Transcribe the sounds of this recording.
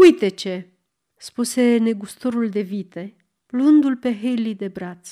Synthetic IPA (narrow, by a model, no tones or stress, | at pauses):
ujt̪e̞t͡ʃe̞ | spuse̞ne̞ɡust̪o̞ɾuld̪e̞vit̪e̞ | luɨnd̪ulpe̞ɦejlid̪e̞bɾat̪sʲ